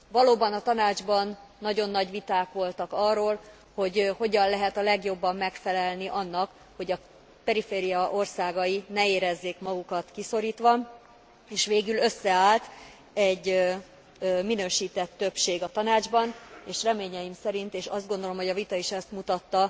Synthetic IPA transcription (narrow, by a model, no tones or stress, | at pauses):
vɒloːbɒnɒt̪ɒnaːd͡ʒbɒnːɒɟo̞nːɒɟʋit̪aːkʋo̞lt̪ɒkɒrːoːl | ho̞ɟho̞ɟɒnlɛɦɛt̪ɒlɛɡjo̞bːɒmːɛkfɛlɛlniʔɒnːɒk | ho̞ɟɒ | pɛɾifeːɾijɒʔo̞rsaːɡɒjinɛeːɾɛzːeːkmɒɡukɒt̪kiso̞ɾiːt̪ʋɒ | eːʃʋeːɡylø̞sːɛaːlt̪ | ɛɟː | minøːʃiːt̪ɛt̪ːøpʃeːɡɒt̪ɒnaːd͡ʒbɒneːʃrɛmeːɲɛjimsɛɾint̪eːʃɒzd̪ɡond̪o̞lo̞mho̞ɟɒvit̪ɒiʃɛst̪mut̪ɒt̪ːɒ